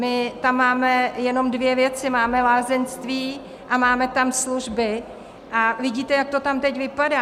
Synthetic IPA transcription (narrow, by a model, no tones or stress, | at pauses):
mɪt̪amːaːmɛjɛno̞mdvjɛvjɛt͡sɪmaːmɛlaːzɛnst̪viː | ʔamaːmɛt̪amsluʒbɪ | ʔavɪɟiːt̪ɛjak̚t̪o̞t̪amt̪ɛcvɪpadaː